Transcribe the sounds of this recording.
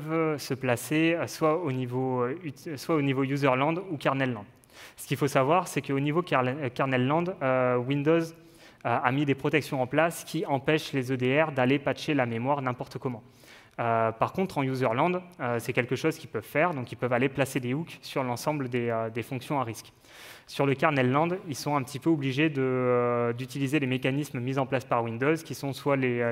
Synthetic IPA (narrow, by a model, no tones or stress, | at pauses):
vsəplaseøswaonivoyswaonivojuzœʁlɑ̃d̪ukaʁnɛlːɑ̃d̪ | sə̥kʲilfosavwaʁsɛkəonivokkaʁnɛlːɑ̃d̪øwĩnd̪oz | øamid̪epχɔt̪ɛksjɔ̃ɑ̃plaskʲiɑ̃pɛʃlezød̪eɛʁd̪alepaʃelamemwaʁnɛ̃pɔʁt̪əkɔmɑ̃ | øpaʁkɔ̃t̪χɑ̃juzœʁlɑ̃d̪øsɛkʲɛlkəʃozkʲipœvfɛʁd̪ɔ̃kʲilpœvaleplased̪euksyʁlɑ̃sɑ̃bləd̪eød̪efɔ̃ksjɔ̃aʁisk | syʁləkaʁnɛlːɑ̃d̪ilsɔ̃ɛ̃pət̪ipøɔbliʒed̪əd̪yt̪ilized̪emekanismmizɑ̃plaspaʁwĩnd̪ozkʲisɔ̃swale